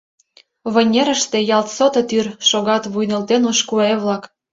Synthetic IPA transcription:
βə̆nʲeɾə̆ʃt̪ĕjɑlt̪sot̪ɤ̆t̪yrʃoɣɑt̪βujnə̆lt̪enoʃkueβlɑk

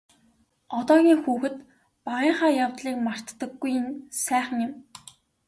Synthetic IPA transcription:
ɔt̪ɔːɣʲiːŋxuːxɘ̆t̪ | paʁiːɴχaːjawt̪ɮiːk̚mar̥t̪ːə̆ɡːujɪnsæːχə̆ŋjʊm

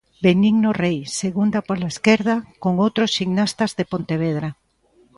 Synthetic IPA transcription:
beniŋnorejseɣund̪apolaeskeɾðakoŋowt̪ɾosʃiŋnast̪azðepõnt̪eβ̞eðɾa

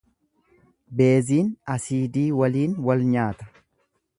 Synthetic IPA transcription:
be̞ːziːnɐsiːd̪iːwɐliːnwɐlɲaːt̪ɐ̥

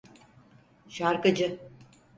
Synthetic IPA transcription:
ʃaɾkɯd͡ʒɯ

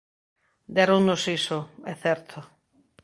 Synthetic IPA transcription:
d̪ɛɾoŋnosisoɛθɛɾt̪ʰo

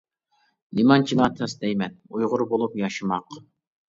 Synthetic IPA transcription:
nimɑnt͡ʃʰilˠɑt̪ʰɛsd̪ɛjmɛnujʁʊɾbolˠupjɑʃɨmɑq

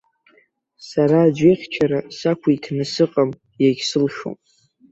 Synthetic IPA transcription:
saɾaːd͡ʒʷeχʲt͡ʃʰaɾasakʷʰaitʰnɨsɨqʼam | jaɡʲsɨlʃo̰m

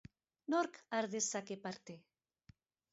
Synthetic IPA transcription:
noɾkaɾðesakepaɾt̪e

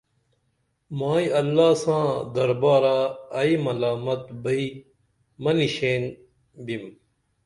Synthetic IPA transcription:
mãːiɐlːaːsãːd̪ɐɾbaːɾaɐimɐlaːmɐt̪̚bɐi | mɐniɕeːn | bim

